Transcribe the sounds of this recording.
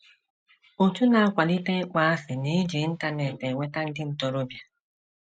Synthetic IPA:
o˨tu˦na˨a˦kʷa˨li˦te˦k͡pa˦a˦fɪ˨ne˦d͡ʒe˨˦n̩˦ta˦ne˨te˨ŋʷe˦ta˦n̩˦dɪ˦n̩˦tɔ˨ɾo˦bja˨

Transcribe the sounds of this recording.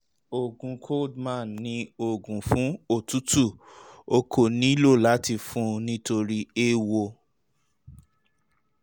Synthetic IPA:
o˨ɡũ˨kʰo˦dmã˦˨nːĩ˧˦o˨ɡũ˨fũ˨˦o˦˨tu˦tu˦˨o˧ko˨nĩ˦lo˦˨la˨˦ti˧fũ˦nĩ˦to˧ɾi˦e˦wo˧

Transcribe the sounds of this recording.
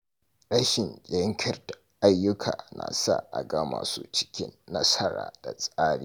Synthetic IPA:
ɗɐ˦ʃɪ˨nd͡ʒʲʼɛ˦ŋkʲʰɐ˨rdḁ˨ʔa˦jːʊ˦kʰa̰ː˨na̰˨sa̰˦˨ʔa˨ɡɐ˦maː˨sṵː˦t͡ʃɪ̥˦kʲɪ̰˦nːɐ˦sɐ˦ɽa̰ː˨d̥a˨sʼaː˦ɽi˦

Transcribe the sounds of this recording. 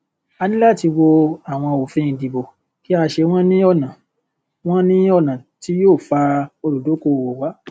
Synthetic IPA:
a˧nĩ˦la˦˨ti˧wo˧a˨w̃ɔ̃˧o˨fĩ˦ĩ˨dĩ˨bo˨ | ki˦a˧ʃe˧w̃ɔ̃˦nĩ˦ɔ˦˨nã˨ | w̃ɔ̃˦nĩ˦ɔ˦˨nã˨ti˨˦joː˦˨fa˧o˧ɾu˨do˨˦ko˧˨wo˨wa˨˦

